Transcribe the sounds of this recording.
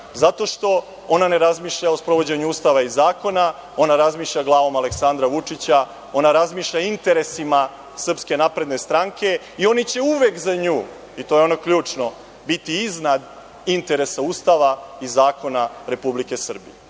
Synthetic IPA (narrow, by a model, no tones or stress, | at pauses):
zat̪o̞ʃt̪o̞ | o̞nane̞ɾazmiːʃʎaospɾo̞ʋo̞d͡ʑe̞ɲuuːst̪aʋaizaːko̞na | o̞naɾazmiːʃʎaɡlˠaːʋo̞male̞ksand̪ɾaʋut͡ʂit͡ɕa | o̞naɾazmiːʃʎaint̪e̞ɾe̞sima | sr̩pske̞napɾe̞d̪ne̞st̪ɾaŋkʰe̞ | io̞nit͡ɕe̞uʋekzaɲuː | it̪o̞jeo̞nokʎuːt͡ʂno̞ | bit̪iiznad̪ | int̪e̞ɾe̞sauːst̪aʋaizaːko̞naɾe̞publike̞sr̩bḭje